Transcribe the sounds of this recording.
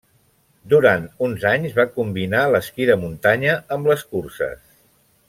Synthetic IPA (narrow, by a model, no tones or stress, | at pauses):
d̪uɾant̪unzaɲzβakumbinaləskiðəmunt̪aɲəəmbləskursə̰s